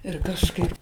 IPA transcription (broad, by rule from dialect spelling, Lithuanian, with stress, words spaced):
ɪr kɐʃˈkɐɪp